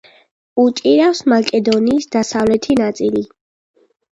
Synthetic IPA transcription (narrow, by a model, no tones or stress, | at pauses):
ut͡ʃʼiɾafsmakʼɛd̪ɔniːsd̪asavlɛt̪ʰinat̪sʼili